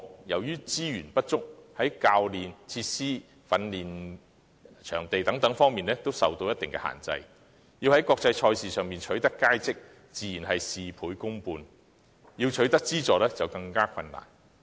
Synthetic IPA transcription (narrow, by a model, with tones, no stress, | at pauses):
jɐ˨˩wjyː˥t͡siː˥jyː˨˩npɐ˥t̚t͡ʃʊ˥k̚hɐ˨˥jkaː˧wliː˨nt͡sʰiː˧t̚siː˥ | fɐ˧nliː˨n | t͡ʃʰœː˨˩ŋt̪e˨jt̪ɐ˨˥ŋt̪ɐ˨˥ŋfɔː˥ŋmiː˨nlɛː˥t̪o˥wsɐ̰˨wt̪o˧wjɐ˥t̪ɪ˨ŋkɛ˧ha̰ː˨˩nt͡sɐ̰˧j | jiː˧whɐ˨˥jkwɔː˧k̚t͡sɐ˧jt͡ʃʰɔː˧jsiː˨sœː˨ŋmiː˨nt͡ʃʰɵ˨˥ɥt̪ɐ˥kːaː˥jt͡sɪ˥k̚ | t͡siː˨˩jiː˨˩nɦɐ˨jsiː˨pʰuː˨˥jkʊ˥ŋpuː˧n | jiː˧wt͡ʃʰɵ˨˥ɥt̪ɐ˥k̚t͡siː˥t͡sɔː˨lɛː˥t͡sɐ˨wkɐ˧ŋkaː˥kʰɐ˧nːa̰ː˨˩n